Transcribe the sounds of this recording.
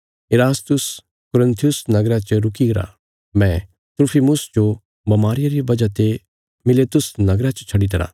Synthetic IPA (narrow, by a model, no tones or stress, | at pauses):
eɾaːst̪ʊs | kʊɾə̃nt̪ʰijʊsnɐɡɾat͡ʃɐɾʊkiɡɐɾa̰ | mɛ̃ | t̪ɾʊpʰiːmʊsd͡ʒo | bɐmaːɾɪjaɾibɐd͡ʒat̪e | mɪlet̪ʊsnɐɡɾat͡ʃɐ̥t͡ʃʰɐɽit̪ɐɾa̰ː